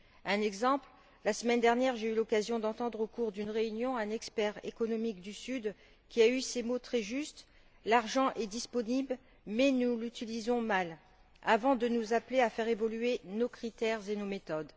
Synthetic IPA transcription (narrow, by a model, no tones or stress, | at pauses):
ɛ̃nɛɡzɑ̃pl | lasəmɛnd̪ɛʁnjɛʁʒeylɔkazjɔ̃d̪ɑ̃t̪ɑ̃d̪ʁokuʁd̪ynʁeynjɔ̃ɛ̃nɛkspɛʁḛkɔnɔmikd̪ysyd̪ | kʲiaysemot̪χɛʒyst̪ | laʁʒɑ̃ʔɛd̪ispɔnibl | mɛnulyt̪ilizɔ̃mal | avɑ̃d̪ənuzapleafɛʁevɔlyenokχit̪ɛʁzenomet̪ɔd̪